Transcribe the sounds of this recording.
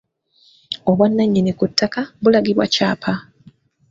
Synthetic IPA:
o̞βwanːaɲːenekutːakaβulaɡiβwa̰caːpʰa

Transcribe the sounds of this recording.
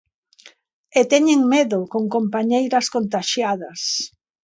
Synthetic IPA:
et̪ɛɲeŋmeðʊkoŋkompaɲejɾɐskont̪aʃjaðɐs

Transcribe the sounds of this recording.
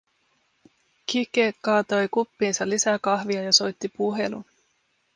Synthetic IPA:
kikekɑːt̪o̞jkupːiːnsɑlisækɑhʋiɑjɑso̞jt̪ːipuɦe̞lṵ

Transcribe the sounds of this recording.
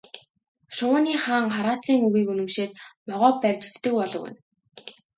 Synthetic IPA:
ʃʊːniːχaːɴχaɾaːt͡siːŋɵɣiːkɵnɵ̆mʃeːt̪̚mɔʁɔːpːærʲt͡ɕɪ̆kt̪ːɘ̆kpɔɮɞ̆wɘ̰n

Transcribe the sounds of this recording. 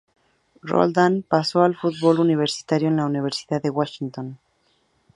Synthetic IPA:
ro̰ld̪anpaso̞alfut̪̚βo̞luniβ̞e̞ɾsi̥t̪aɾjoenlauniβ̞e̞ɾsiðaðewaʃint̪on

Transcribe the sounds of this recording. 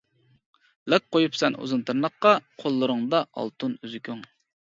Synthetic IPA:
lɛk̚qojupsɛnʔṵzɨnt̪ʰɨɾnəqqːɑqʰolˠːɨɾəŋd̪ɑʔɑ̰lˠt̪ʰunyzykʲyŋ

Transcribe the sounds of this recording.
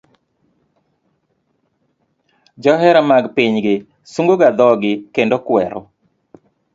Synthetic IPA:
d͡ʒɔɦɛɾamaɡpiɲɡɪ | suŋɡoɡad̪ɔɡɪkendokwɛɾɔ̰

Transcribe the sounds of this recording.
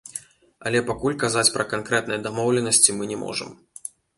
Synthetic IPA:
ɐ̰lʲɛpakulʲkazat͡sʲpɾɐkankɾɛt̪nɐjɐd̪amɔwlʲɛnɐsʲt͡sʲimɨnʲɛmʔɔ̰ʐɨ̰m

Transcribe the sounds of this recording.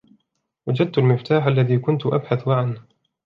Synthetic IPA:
wad͡ʒad̪̚t̪ʊlmɪft̪aːħʔalːaðiːkʊnt̪ʔa̰bħaθmaʕan

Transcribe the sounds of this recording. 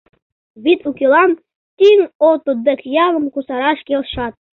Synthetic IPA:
βit̪ukʲilˠɑn | t̪iŋot̪ud̪əkjɑləmkusɑɾɑʃkʲelʃɑt̪̚

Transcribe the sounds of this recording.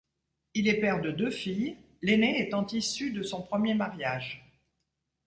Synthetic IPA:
ilɛpɛʁd̪əd̪øfij | leneːt̪ɑ̃t̪isyd̪əsɔ̃pχəmjemaʁjaːʒ

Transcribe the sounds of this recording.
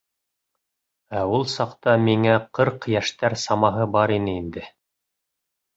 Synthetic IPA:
æulˠsɑqt̪ɑmiŋæqɤɾqjæʃt̪æɾsɑmɑɦɤbɑɾinɘind̪ɘ

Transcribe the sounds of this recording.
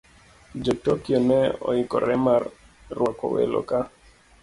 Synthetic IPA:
d͡ʒotokionɛɔikɔɾɛmarː | wakɔwḛlɔ̰ka

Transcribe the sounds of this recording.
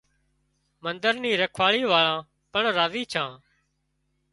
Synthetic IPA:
mənd̪əɾniːɾəkʰʋaːɭiːʋaːɭãː | pəɳɾaːziːt͡ʃʰãː

